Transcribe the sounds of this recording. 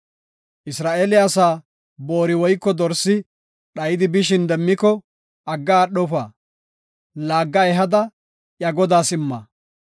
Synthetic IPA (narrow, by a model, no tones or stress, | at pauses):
ʔɪsɾaːʔeːlɪɐsaː | bo̞ːɾɪwɔjkːɔd̪ɔɾsːɪ | ɗɐjɪd̪ɪbɪʃ̬ɪnd̪ɛmːɪkɔ | ɐɡːaːɗɔfaː | laːɡːɐɛɦɐd̪ɐ | ʔjɐɡɔd̪aːsɪmːa̰ː